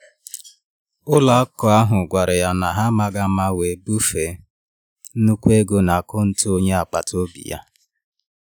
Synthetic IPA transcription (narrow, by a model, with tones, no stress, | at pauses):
ʊ˦la˨a˦kɔ˨a˦ɦʊ˨ɡʷa˨ɾɪ˨ja˦na˨ɦa˦ma˨ɡa˦ma˦we˨˦bu˦fe˨˦ | nu˦kʷe˦ɡo˦na˨a˨kʊ˦n̩˦tu˦o˦ɲe˦a˨k͡pa̰˨to˦bḭ˨ja̰˦